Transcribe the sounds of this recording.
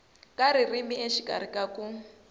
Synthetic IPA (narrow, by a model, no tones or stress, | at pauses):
kʼaɾirimieʃika̰ɾikʼaku